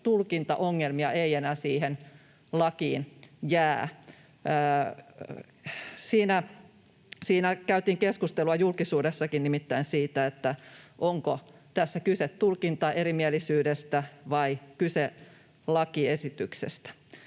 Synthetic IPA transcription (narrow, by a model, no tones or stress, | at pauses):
t̪ulkint̪ɑ̰ʔoŋːelmiɑʔeienæːsiːhen | lɑkiːnjæː | siːnæ | siːnækæyt̪iːŋkeskust̪eluɑjulkisuːdesːɑkinnimit̪ːæinsiːt̪æet̪ːæʔoŋkot̪æsːækyset̪tulkint̪ɑʔeɾimielˑisyːdest̪æʋɑikyse | lɑkiesit̪yksḛst̪æ̥